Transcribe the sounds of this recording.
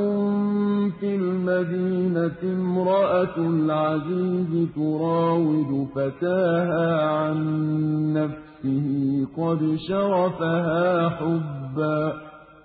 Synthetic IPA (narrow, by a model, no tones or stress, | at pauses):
ʊmfilmad̪iːnaɪmɾˤɑʔalʕaziːzɪt̪ʊɾˤɑːwɪd̪ʊfat̪aːɦaːʕanː | afsɪhɪqɑd̪ʃɑɾˤɑfaɦaːħʊbbːaː